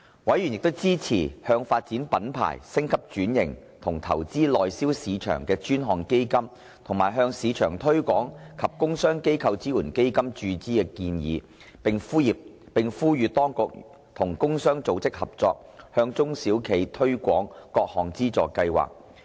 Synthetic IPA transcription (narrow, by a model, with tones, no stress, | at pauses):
wɐ˨˥jɥyː˨˩njɪ˨k̚t̪ʊ˥wt͡siː˥t͡sʰiː˨˩hœː˧ŋfaː˧t̚t͡siː˨˥npɐ˨˥npʰa̰ː˨˩jsɪ˥ŋkʰɐ˥p̚t͡ʃyː˨˥njɪ̰˨˩ŋ | t̪ʰʊ˨˩ŋt̪ʰɐ̰˨˩wt͡siː˥lɔː˨jsiː˥wsiː˨˧t͡ʃʰœ̰ː˨˩ŋkɛː˧t͡ʃyː˥nɦɔː˨˩ŋke˥jkɐ˥m | t̪ʰʊ˨˩ŋmaː˨˩jɦœː˧ŋsiː˨˧t͡ʃʰœː˨˩ŋt̪ʰɵ˥ɥkʷɔː˨˥ŋkʰɐ˨p̚kʊ˥ŋsœː˥ŋke˥jkʰɐ˧wt͡siː˥wuː˨˩nke˥jkɐ˥mt͡ʃyː˧t͡siː˥kɛ˧kiː˧njḭː˨˧ | pɪ˨ŋfuː˥jiː˨p̚ | pɪ˨ŋfuː˥jyː˨˧t̪ɔː˥ŋkʊ˨k̚ | t̪ʰʊ˨˩ŋkʊ˥ŋsœː˥ŋt͡so˨˧wt͡sɪ˥k̚hɐ˨p̚t͡sɔ̰ː˧k̚ | hœː˧ŋt͡sʊ˥ŋsiː˨˥wkʰe˨˧jt̪ʰɵ˥ɥkʷɔː˨˥ŋkɔː˧k̚hɔː˨˩ŋt͡siː˥t͡sɔ̰ː˨˩kːɐ˧jwa̰ː˨k̚